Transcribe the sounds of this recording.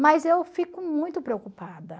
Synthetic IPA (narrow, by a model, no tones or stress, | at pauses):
mɐzewfikʊmũj̃t̪ʊpɾeokupad̪ɐ